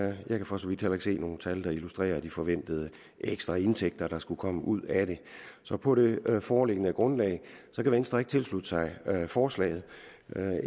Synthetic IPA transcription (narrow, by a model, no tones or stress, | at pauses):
jɑ̈ɪkʰæfɒ̽sɒʋid̥helɐeɡ̥se̝̰ːno̝ːn̩t͡sʰæld̥ɑ̈ilusd̥ʁɛ̰ːɐd̥ifɒ̽ʋen̰d̥əð̞ˠə | ʔeɡ̥sd̥ʁɑ̈e̝nt͡sʰeɡ̥̚d̥ɐɾ̥ɑ̈sɡ̥ukʰɒ̽məʔuð̞̰ˠæɾ̥e̝sɒ̽pʰɒ̽ɾ̥e̝fɒːle̝ɡ̥ənəɡ̥ʁɔ̽nlɛ̰ːɪsɒ̽kʰæʋiensd̥ʁaeɡ̥̚t͡sʰe̝lslud̥əsɑ̈ɪfɒːslɛ̰ːɪð̩ˠ